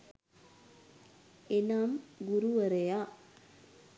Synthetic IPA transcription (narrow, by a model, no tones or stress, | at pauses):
enaːmɡuɾuʋɐɾejaː